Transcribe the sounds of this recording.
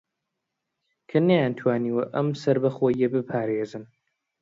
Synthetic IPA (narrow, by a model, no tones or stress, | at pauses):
kʰɐnɐjaːnt̪ʰwaːniːwɐʔɐmsɐɾbɐxoːjːɐbɨpʰaːɾeːzɨn